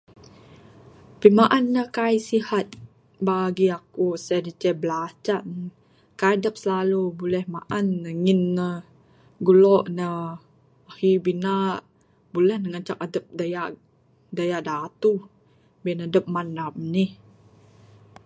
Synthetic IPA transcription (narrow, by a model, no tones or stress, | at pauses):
pimaʔanːəhkajsihat̪̚ | baɡiakusadit͡ʃɛbəlat͡ʃaʔn | kajdəp̚səlalubulɛhmaʔanːəŋinːə | ɡulɔʔnə | ahibinaʔ | bulɛhnəŋət͡ʃak̚adəp̚dajaʔ | dajaʔdat̪u | binadəp̚manamnih